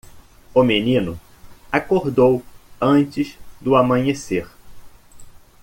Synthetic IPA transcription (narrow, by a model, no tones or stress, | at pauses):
ʊmenĩnʊ | akoɾd̪owɐ̃nt͡ʃɪzd̪ʊamɐ̃ɲeseɾ